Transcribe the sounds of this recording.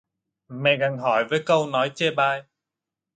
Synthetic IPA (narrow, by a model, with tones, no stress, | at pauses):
mɛ̰˧˨ɣa˨˩ŋɦɔ˧˩jvəː˨˦jkə˧wnɔ˨˦jt͡ɕɛ˧ɓaː˧˩j